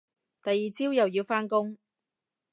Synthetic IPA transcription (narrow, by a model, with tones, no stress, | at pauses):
t̪ɐ˨jːiː˨t͡siː˥wjɐ˨wji˧wfaː˥nkʊ˥ŋ